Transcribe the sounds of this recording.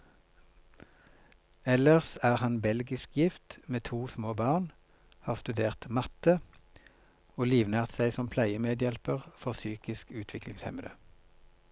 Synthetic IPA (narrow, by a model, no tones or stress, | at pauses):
ɛləʁsæːʁhɑnbɛlɡɪskjɪft̪meːt̪ʰuːsmoːbɑːʁn | hɑːʁst̪ʉd̪eːʁt̪mɑt̪ə | oːliːʋnæːʁt̪sæɪsɔmpʰlæɪəmeːd̪jɛlpəʁfɔʁsyːkɪskʉːt̪ʰʋɪklɪŋshɛ̰məd̪ə̰